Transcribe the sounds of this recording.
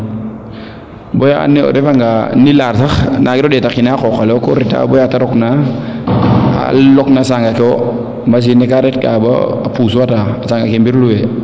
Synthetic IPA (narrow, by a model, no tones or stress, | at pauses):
bojaa̰nɛo̰ɾefaŋɡanilaɾtaxnʔaɡɪɾɔdetakinakokalɛkoɾita̰bɔjataɾɔkna | a̰lɔknasaŋɡakeo | mas̬inɛkaɾɛtka̰ba̰apuːsuataasaŋɡakembiɾluwe